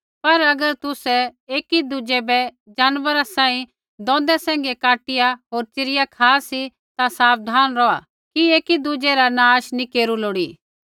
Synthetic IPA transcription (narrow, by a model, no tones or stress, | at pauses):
pɐɾɐɡəɾt̪ʊsɛeːkid̪ʊd͡ʒɛbɛ | d͡ʒaːnʋəɾasãːĩ | d̪ɔ̃ːnd̪ɛsɛ̃ːŋ̆ɡekaːʈɪjaɦoːɾt͡ʃɪɾɪjakʰaːsi | t̪asaːb̚d̪ʱaːnɾɔːa̰ | kieːkid̪ʊd͡ʒɛɾanaːʃnĩkeːɾuloːɽiː